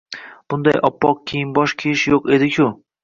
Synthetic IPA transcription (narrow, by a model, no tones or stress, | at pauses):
b̥ʊnd̪ajʔɒpːɒq̚kʲʰejɪnbɒʃkʲʰeɪʃjoqe̞d̪ɪkʲʰʊ